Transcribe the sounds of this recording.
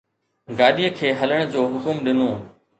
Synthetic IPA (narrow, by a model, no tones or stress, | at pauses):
ɡaːɗijəkʰeːɦɐləɽ̃d͡ʑoːɦʊkʊmɗɪnõː